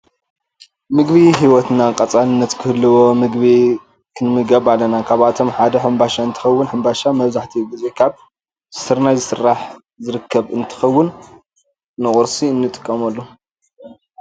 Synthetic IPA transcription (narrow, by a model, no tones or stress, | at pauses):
mɨɡβiɦiwɔt̪nakʼɐt͡sʼalɨnːɐt̪kʰɨhɨlːɨwo̞mɨɡbi | kʰɨnmɨɡɐβalɐnakʰaβat̪ʰo̞mħad̪ɐħambaʃaɨnt̪ʰɨ̥xɐwːʊnħɨmbaʃamɐβzaħt̪ʰiɡɨzekʰaβ | zɨ̥sɨɾnazɨsɨrːaħ | zɨɾɨkʰːɐβɨnt̪ʰɨ̥xɐwːʊnː | ɨχʼʊɾsiɨnːɨt̪ʼɨ̥kʼːɐmɐlːo